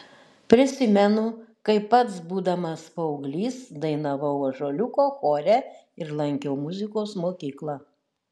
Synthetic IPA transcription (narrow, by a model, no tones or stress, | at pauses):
pʲɾʲɪsʲɪmʲɛnʊkɐɪpːɐt̪sbuːd̪ɐmɐspɐʊɡlʲiːsd̪ɐɪnɐʋɐʊʒoːlʲʊkoːxoːɾʲæ | ɪɾlˠɐŋʲkʲoʊmʊzʲɪkoːsmoːkʲiːklˠɑ